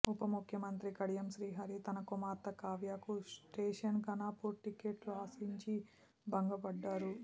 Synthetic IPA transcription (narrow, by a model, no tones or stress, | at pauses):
upɐmukʰjɐmɐnt̪ɾikɐɽijɐmʃɾiːɦaːɾit̪ɐnɐkumaːɾt̪ɐkaːʋjaːkusʈeːʂɐnkɐnaːpuɾʈikeːʈluaːsiɲt͡ʃi | bɐŋɡɐbɐɖːaːɾu